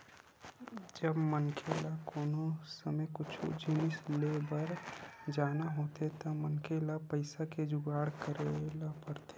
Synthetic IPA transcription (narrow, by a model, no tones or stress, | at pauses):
d͡ʒəbmənkʰelakoːnosəməjkʊt͡ʃʰṵd͡ʒinɪslebəɾd͡ʒaːnaɦoːt̪ʰet̪ɔmənkʰelapəɪsaked͡ʒʊɡaːɽkəɾelapəɾt̪e̥